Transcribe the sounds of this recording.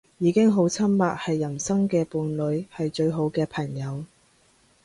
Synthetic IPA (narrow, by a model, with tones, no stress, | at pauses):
jiː˨˧kɪ˥ŋɦo˨˥wt͡sʰɐ˥mːaː˨t̚hɐ˨jːɐ˨˩nsɐ˥ŋkɛː˧puː˨˩nlɵ˨˧ɥhɐ˨jt͡ʃɵ˧ɥɦo˨˥wkɛː˧pʰɐ˨˩ŋjɐ˨˧w